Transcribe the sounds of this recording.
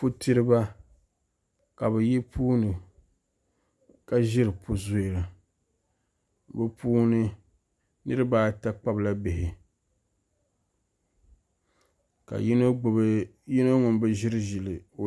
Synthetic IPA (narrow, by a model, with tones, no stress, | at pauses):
po˦tɨ˦ɾɨ˦ba˦ | ka˨bɛ˨jɛ˦pʰuː˦nɨ˨ | ka˦ʒɪ˦ɾɨ˨pʰo˦zo˦e˨la˨ | bɨ˦pʰuː˦nɨ˦ | nɨ˦ɾɨ˦baː˦˨ta˦k͡pa˦bla˦bɪ˨hɪ˨ | ka̰˨˦˨ | ji˦no˦ŋʊ˨mbɨ˦ʒɪ˦ɾɨ˦ʒɪ˨lɨ˨o˨